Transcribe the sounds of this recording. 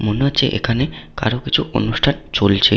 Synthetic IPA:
monuat͡ɕʰeʔḛkʰaneka̰ɾokit͡ɕʰuo̰nuʃʈʰant͡ɕolt͡ɕʰe

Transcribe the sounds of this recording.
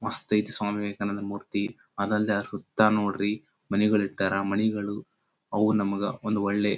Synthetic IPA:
mɐst̪ɐjt̪iswaːmiʋeːkɐnɐd̪ɐmuːɾt̪i | ɐd̪ɐlːiɐɾsut̪ːaːnoːɽɾi | mɐnɛɡɐɭiʈːaːɾɐmɐnɛɡɐɭu | ɐʋunɐmɐɡɐond̪uɔɭːe

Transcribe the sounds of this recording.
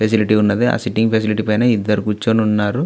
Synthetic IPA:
pʰes̬iliʈiunːɐd̪ia̰ːsiʈːiŋɡpʰes̬iliʈipɐjnɐːid̪ːɐɾukut͡ʃːoːnunːaːɾu

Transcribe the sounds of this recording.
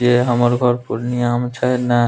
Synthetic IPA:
eɦamaɾɡʱɔɾpuɾnijamt͡ʃʰaena

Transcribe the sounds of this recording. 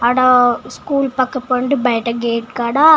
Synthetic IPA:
ɐɽɐskuːlpɐkːɐpːɐɳɖɯbɐjʈːɐɡeːʈ̚kaːɽaː

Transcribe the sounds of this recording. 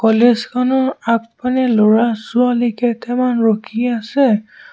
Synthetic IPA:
kɔlezkʰanɔɹak̚panɛloɹasualikɛtɛmanɹokʰiasɛ

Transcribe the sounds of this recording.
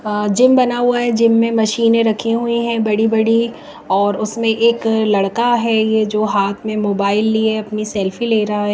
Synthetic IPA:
d͡ʒɪmbɐnaɦuaɦɛd͡ʒɪmːẽmɐʃiːnẽɾɐkʰeɦuiɦɛ̃bɐɽibɐɽi | ɔːɾʊsmẽʔeːklɐɽkaɦɛjed͡ʒoːɦaːt̪ʰmẽmoːbaːɪlːieɐpnisɛːlfileːɾɐɦaɦɛː

